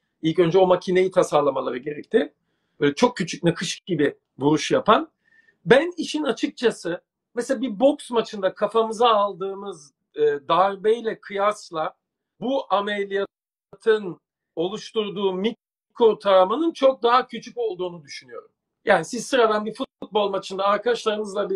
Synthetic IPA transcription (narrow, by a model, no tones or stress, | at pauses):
ilʲcø̞nd͡ʒɛo̞macʰine̞jit̪ʰasaɾlˠamalˠaɾɯɟe̞ɾɛc̚t̪ʰɪ | t͡ʃʰo̞k̚cʰːyt͡ʃʰycʲnakʰɯʃɯ̥k̚ɟibi | vuɾuʃjapʰan | bæniʃinat͡ʃʰɯk̚t͡ʃʰasɯ | mɛseabibo̞ksmat͡ʃʰɯnd̪akʰafamɯzaːlˠd̪ɯːmɯz | ɯːd̪aɾbejlʲɛkʰɯjaslˠa | buʔamelʲija | t̪ʰɯn | o̞lˠuʃt̪uɾd̪uːmiks | ikʰot̪ʰaɾamanɯnt͡ʃʰo̞k̚d̪aɦacʰyt͡ʃʰyco̞lˠd̪uːnud̪yʃynyjo̞ɾum | jʔaːnisizsɯɾad̪anbifut̪̚ut̪̚bo̞lˠmat͡ʃʰɯnd̪aːɾkʰad̪aʃlˠaɾɯnɯzlˠabi